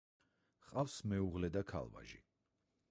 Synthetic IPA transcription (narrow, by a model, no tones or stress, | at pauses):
χqʼafsmɛuʁlɛd̪akʰa̰lˠva̰ʒḭ